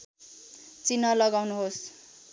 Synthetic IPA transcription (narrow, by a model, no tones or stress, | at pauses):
t͡sinʌlʌɡawnuɦos